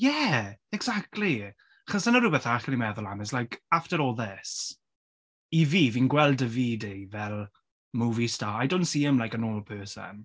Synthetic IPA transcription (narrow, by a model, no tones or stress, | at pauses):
jɛɛɡz̥ak̚tʰˡli | aχɔsd̥ənəɾʊbəθaχənimɛðʊlˠamɪzlajkʰaftəɾɔːlˠðɪs | iviːviːnɡwɛlˠdəviːdevɛlˠ | muːvistaːajdontsiːɪmlajkənoːlˠpʰɜːsə̰n